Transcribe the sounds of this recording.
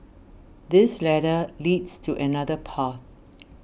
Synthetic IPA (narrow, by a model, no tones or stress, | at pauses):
d̪ɪslɛɾəlidstʰuʔɛnadəpʰaθ